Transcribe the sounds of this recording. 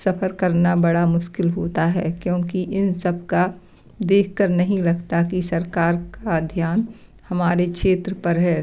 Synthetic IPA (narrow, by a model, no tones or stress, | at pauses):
sɐfʰəɾkəɾnabɐɽamʊʃkɪlɦoːt̪aɦɛkjõːkiʔɪnsɐb̚ʱka | d̪eːkʰkəɾnɐɦĩlɐɡt̪akisɐɾkaːɾkad̪ʱjaːn | hɐmaːɾekʃeːt̪ɾəpəɾɦɛː